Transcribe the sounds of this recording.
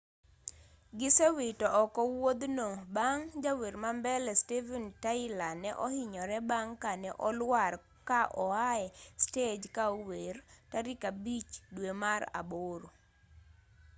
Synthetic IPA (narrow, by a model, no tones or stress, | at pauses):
ɡɪsewɪtɔʔːkɔwod̪nobaŋd͡ʒaweɾmambɛlɛstevɛntaɪlanɛʔɔhɪɲɔɾɛbaŋkanɛʔɔlwaɾ | kaʔɔaɛsted͡ʒkaowertaɾɪkabit͡ʃdwemaɾa̰boɾo